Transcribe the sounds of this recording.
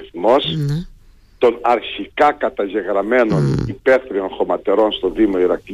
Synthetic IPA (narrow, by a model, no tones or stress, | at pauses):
θmo̞s | t̪o̞nɐɾçikɐkɐt̪ɐʝe̞ɣɾɐme̞no̞nipeθɾio̞nxo̞mɐt̪e̞ɾo̞nst̪o̞ðimo̞iɾɐk